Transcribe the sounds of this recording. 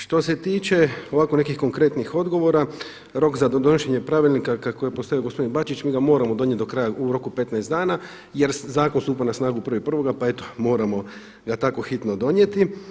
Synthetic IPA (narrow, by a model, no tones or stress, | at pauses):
ʃt̪o̞se̞t̪iːt͡ʃe̞o̞ʋaːko̞ne̞kixko̞ŋkɾe̞t̪nixo̞d̪ɡo̞ʋo̞ɾa | ɾo̞kzad̪onoʃeɲe̞pɾaʋilʲnikakakojepost̪o̞ʋijoɡospo̞d̪inbat͡ʃit͡ʃmiːɡamo̞ːɾamo̞d̪o̞ɲjet̪d̪o̞kɾajauɾo̞kupe̞t̪naest̪d̪aːna | je̞ɾzaːko̞nsuːpanasnaːɡupr̩ʋoipr̩ʋo̞ɡapae̞t̪omo̞ːɾamo̞ | ɡat̪ako̞xit̪no̞d̪o̞ɲjet̪i